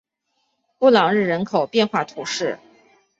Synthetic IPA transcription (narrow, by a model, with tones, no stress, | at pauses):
pu˥˩lɑ˨˩ŋɻɻ̩˥˩ɻə˧˥nkʰo˨˩ʊpjɛ˥˧nxwa˥˩t̪ʰu˧˥ʂɻ̩˥˩